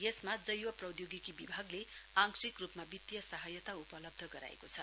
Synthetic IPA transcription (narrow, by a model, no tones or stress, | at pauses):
jesmad͡zʌjwʌprʌd̪joɡikibibʱaɡleaŋksikrupmabit̪ːjʌsaɦʌjʌt̪aupʌlʌb̚d̪ʱʌɡʌɾa̰ḛkot͡sʰʌ